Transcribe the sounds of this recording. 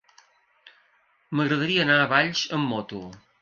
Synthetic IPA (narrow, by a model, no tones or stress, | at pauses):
məɣɾəðəɾiəːnaəβaʎʲʃəmːɔt̪ṵ